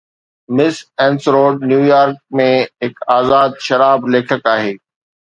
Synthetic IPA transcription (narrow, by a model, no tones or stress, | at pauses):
mɪsɛ̃ːnsɾoːɖ̚njuːjaːɾk̚mẽɦɪkaːzaːd̪̚ʃɐɾaːbleːkʰəkaːɦeː